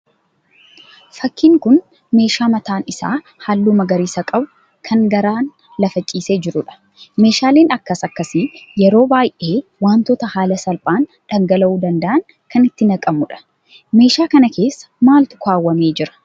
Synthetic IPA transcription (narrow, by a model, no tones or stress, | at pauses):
fɐkːiːŋkʊn | me̞ːʃaːmɐt̪aːnɪsa̰ː | halːuːmɐɡɐɾiːsɐkʼɐbʊ̥ | kʰɐŋɡɐɾaːn | lɐfɐt͡ʃʼiːse̞ːd͡ʒɪɾʊᶑɐ̥ | me̞ːʃaːle̞ːnɐkːɐsɐkːɐsɪjɛɾo̞ːbaːjʔe̞ːwaːnt̪ɔt̪ɐhaːlɐsɐlpʼaːn | ᶑɐŋɡɐlɐʔuːd̪ɐnd̪ɐʔɐŋ | kɐnɪt̪ːɪnɐkʼɐmʊᶑɐ̥ | me̞ːʃaːkɐnɐkʰe̞ːsːɐ̥maːlt̪ʊ̥kaːwːɐme̞ːd͡ʒɪɾɐ̥